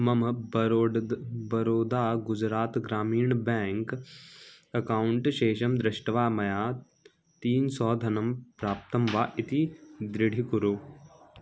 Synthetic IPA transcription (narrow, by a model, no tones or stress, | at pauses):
mɐmɐ | bɐɾoːd̪aːɡʊd͡ʒɾaːt̪ɡɾaːmiːɳbɛːŋk | ɐkaːwuɳʈʃeːʃɐmd̪ɾɪʃʈɐʋaːmɐjaː | t̪iːnsɔːd̪ʱɐnɐmpɾaːp̚t̪ɐmʋaːʔit̪id̪ɾɪɽʱikuɾuː